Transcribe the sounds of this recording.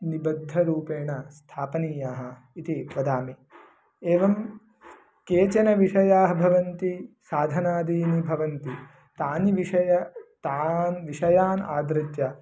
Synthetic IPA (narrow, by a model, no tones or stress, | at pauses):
nibɐd̪ʱːɐɾuːpeːɳɐst̪ʰaːpɐniːjaːɦɐ̆ | it̪iʋɐd̪aːmi | eːʋɐm | keːt͡ʃɐnɐʋiʂɐjaːɦɐbʱɐʋɐnt̪isaːd̪ʱɐnaːd̪iːnibʱɐʋɐnt̪i | t̪aːniʋiʂɐjɐt̪aːnʋiʂɐjaːna̰ːd̪ɾɪt̪jɐ